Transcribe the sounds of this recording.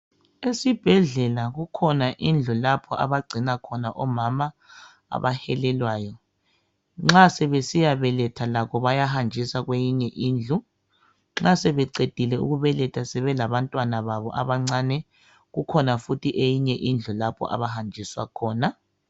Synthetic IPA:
esib̥ʱɛɮɛlaɣukʰɔnaʔind͡ɮʱulapʰɔʔa̰βaɡ͡ǀʱinakʰɔnaʔɔmama | a̰βahɛlɛlwaːjɔ | ŋ͡ǁasɛβesijaβɛlɛtʰalaɣɔβajahand͡ʒʱisaɣwejiɲɛʔiːnd͡ɮʱu | ŋ͡ǁasɛβɛǀed̥ʱilɛṵɣuβɛlɛtʰasɛβɛlaβantʼwanaβaβɔʔa̰βaŋ͡ǀaːnɛ | ɣukʰɔnafutʰiʔejiɲɛʔind͡ɮʱulapʰɔ̰ʔa̰βahand͡ʒʱiswa̰kʰɔːna

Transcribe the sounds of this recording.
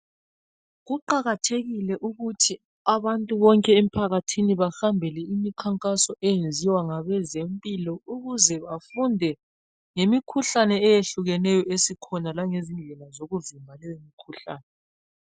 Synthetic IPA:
ɣuǃaɣatʰeɣilɛʔuɣutʰi | aβantʼuβɔŋkʼɛem̩pʰaɣatʰiniβahambʱɛlɛimikʰaŋkʼasɔʔɛjend͡zʱiwaŋaβɛzempʼilɔuɣuzɛβafundʱɛ | ŋemikʰuɬanɛːjeɬuɣɛnɛjɔesikʰɔnalaŋezind͡ɮʱɛlazoɣuvimbʱalɛwemikʰuɬaːnɛ

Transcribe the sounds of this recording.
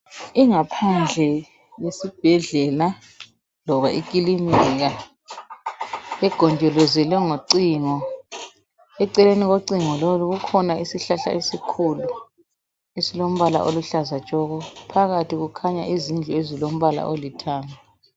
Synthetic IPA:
iŋapʰand͡ɮʱɛ | jesib̥ʱɛɮɛla | lɔβaʔik̬ʼilimɛɣa | ɛɡ̥ʱɔnd͡ʒʱɔlɔzɛlɛŋoǀiŋɔ | ɛǀɛleniɣoǀiŋɔloluɣukʰɔnaisiɬaɬa̰ʔesikʰulu | esilom̩βala̰ʔoluɬazat͡ʃʼɔɣɔpʰaɣatʰiɣukʰaɲa̰ʔizind͡ɮʱɔezilom̩βala̰ʔolitʰaːŋa

